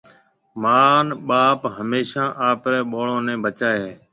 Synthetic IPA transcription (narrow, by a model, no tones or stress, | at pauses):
maːnɓaːpɦəmeːʃãːʔaːpɾɛːɓoːɭõːnɛ̃ːbət͡ʃaːɦeː